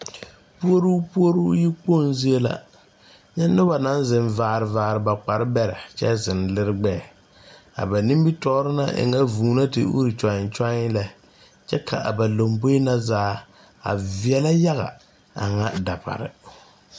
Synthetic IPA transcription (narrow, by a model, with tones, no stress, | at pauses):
pu˦o˦ɾuː˦pu˦o˦ɾuː˦ji˦k͡po˦˨n˦zi˦e˦la̰˦ | ɲɛ˦nːʊ˦ba˨na˦n˦zɪ˨ɱvaː˨ɾɪ˨vaː˨ɾɪ˨ba˨k͡pa˨ɾɨ˦bɛ˦ɾɪ̰˨t͡ʃɛ˦zɪ˨n˨lɪ˦ɾɨ˦ɡ͡bɛ˦˨ | a̰˨ba˨ni˦mbi˦tɔ˦ɾɨ˦na˦ʔɪ̰˨ŋa˦vuː˨˦na˦tɪ̰˨ʔṵ˦ɾi˨t͡ʃa˨ɲɪ˨˦t͡ʃa˦ɲɪ˦la˦ | t͡ʃɛ˦kʰa˨ʔa̰˨ba˨lo˨mbo˦na˦zaː˦ | a̰˨vi˨ɛ˦la˦ja˦ɣa̰˨ | a̰˨ŋa˦da˨pa̰˨ɾɪ̰˨